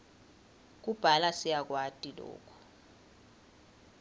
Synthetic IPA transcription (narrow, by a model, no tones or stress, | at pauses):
k̬ub̥ʱalasijak̬watʼilɔ̰ːkʰɔ̥